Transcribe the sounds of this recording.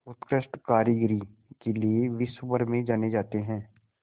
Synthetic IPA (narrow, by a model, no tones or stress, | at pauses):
ʊt̪kɾɪʃʈkaːɾɪɡɾi | kelieʋɪsbəɾmẽd͡ʒaːned͡ʒaːt̪eɦɛ̃ː